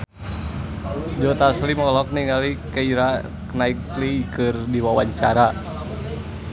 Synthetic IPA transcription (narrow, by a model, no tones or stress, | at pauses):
d͡ʒɔt̪aslimɔlɔk̚niŋɡalikaiɾa | knaiklikɨrdiwawaɲt͡ʃaɾa